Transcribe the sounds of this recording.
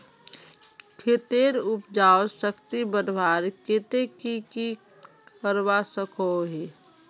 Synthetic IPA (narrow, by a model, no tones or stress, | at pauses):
kʰet̪eɾʊpd͡ʒaːosəkt̪ibənbaːɾket̪ekiki | kəɾwasəkʰoɦe